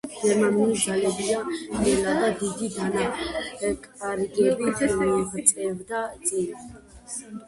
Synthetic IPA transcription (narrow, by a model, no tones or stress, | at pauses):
ɡ̥ɛɾmanulid̪zalɛbid̪anχʼɛlad̪ad̪id̪id̪ana | kʼaɾɡɛbiʁt̪sʼɛvd̪at̪sʼin